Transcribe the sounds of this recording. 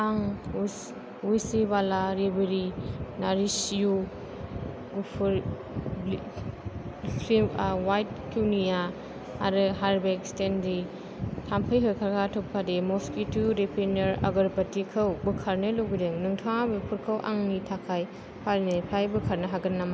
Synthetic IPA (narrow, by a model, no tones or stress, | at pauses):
aŋ | ujsibalaɾebeɾinaɾisiju | ɡupʰɾ | sʰɾiawajt̚kʰiwnijaː | ɾɯɦaɾbekstendi | tʰampʰɐjɦɯkʰaɾkʰatʰɔp̚kʰademɔskituɾepʰenɐɾa̰ɡɐɾpɐtikʰɐwbɯkʰaɾnɯlɯwɡideŋnɯŋtʰaŋabɯpʰuɾkʰɐwʔa̰ŋnitʰakʰaj | pʰaɾnepʰajbɯkʰaɾnɐɦaɡɯnːama